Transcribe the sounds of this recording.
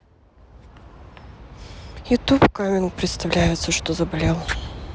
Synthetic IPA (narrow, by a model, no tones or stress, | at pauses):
ɪt̪upkamʲɪnkpɾʲɪt̪st̪ɐvlʲæjɪt̪səʂt̪ozəbɐlʲelˠ